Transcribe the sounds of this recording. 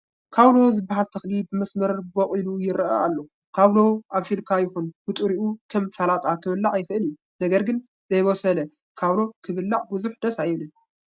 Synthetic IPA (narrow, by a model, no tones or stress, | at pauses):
kʰawlo̞zɨbːaɦalt̪ʰɐxlibɨmɐsmɐɾboχʼilujɪɾa̰alːo | kʰaβlo̞ʔaβsilkʰajɪxunbɨt̪ʼɾiʔukʰɐmsalat̪ʼakʰɨβɨlːaʕjɪfɨʔɨliju | nɐɡɐɾɡɨn | zɐjβosɐlɐ | kʰaβlo̞kʰɨβɨlːaʕbuzuħd̪̥ɐsajɪβlɨn